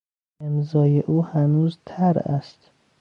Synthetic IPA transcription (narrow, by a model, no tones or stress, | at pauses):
emzɒːjeʔuːhænuːzt̪ʰæɾæ̰st̪